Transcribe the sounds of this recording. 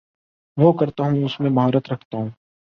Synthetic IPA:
ʋoːkɐɾt̪aɦũʊsmẽbʱaːɾət̪ɾɐkʰt̪aɦũː

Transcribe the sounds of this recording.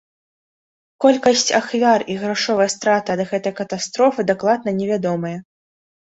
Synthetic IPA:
kɔlʲkɐsʲt͡sʲaxvʲariɣɾaʂɔvɐjɐst̪ɾat̪ɐd̪ɐɣɛt̪ɐjkɐt̪ast̪ɾɔfɨd̪aklˠad̪nɐnʲɛvʲad̪ɔmɐjɐ

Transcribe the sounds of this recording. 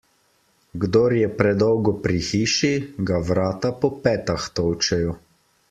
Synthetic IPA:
ɡd̪oɾjɛpɾɛd̪ɔwɡɔpɾixiːʃiɡaʋɾaːt̪apɔpɛːt̪axt̪ɔwt͡ʃɛjɔ

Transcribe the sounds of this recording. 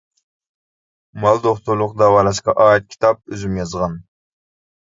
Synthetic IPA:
mɑlˠd̪oχt̪uɾlˠʊqd̪ɑwɑlˠɑʃqɑʔɑːjɛt̪̚kʲʰi̥t̪ʰɑp̚øzymjɑzʁɑn

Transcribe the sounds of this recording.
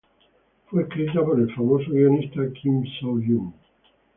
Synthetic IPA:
fweekɾiit̪apoɾelfamosoɣionist̪akʰimsawʎuŋ

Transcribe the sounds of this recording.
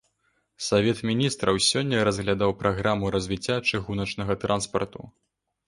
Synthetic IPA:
savʲɛt̪mʲinʲist̪ɾɐwsʲɔnʲːɐɾɐzɣlʲad̪awpɾʔaɣɾamuɾɐzʲvʲit͡sʲːat͡ʂɨɣunɐt͡ʂnɐɣɐt̪ɾanspɐ̰rt̪ṵ

